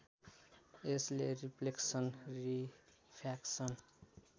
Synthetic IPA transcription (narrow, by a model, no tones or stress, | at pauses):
esleripʰleksʌnri | pʰaksʌn